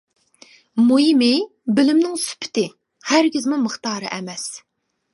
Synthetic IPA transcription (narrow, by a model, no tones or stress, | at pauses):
mujimɪ | bɪlɪmnɪŋsy̥pʰɪ̥t̪ɪ | hæɾɡʲizmuməχt̪ɑːɾɨ̰ʔɛmɛs